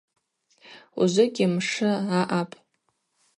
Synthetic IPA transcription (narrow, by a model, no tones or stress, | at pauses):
ṵzɨɡʲɪmʂɨaʔapʼ